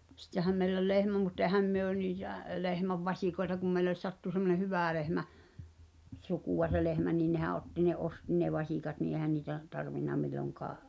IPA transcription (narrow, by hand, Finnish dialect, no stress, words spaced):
sĭtːehæm meilː ol lehmæ mutː ehæm myø niːtæˑ lehmæʋ ʋɑsʲikoetɑ kum mei̞les sɑtːu semːone hyʋæˑ lehmæ sukuˑw̆ɑ se lehmæ niː nehæ ʔotːi ne ʔosti ne ʋɑsʲiˑkɑt niː ehæ niːtæ tɑrʋinːɑ milːoŋkɑː